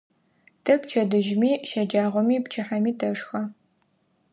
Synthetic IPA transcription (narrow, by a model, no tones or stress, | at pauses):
tʰɐpt͡ʃʰɐdɨʒmiːʃɐd͡ʒaːʁʷɔmiːpt͡ʃʰɪħamiːtʰɐʂxɐ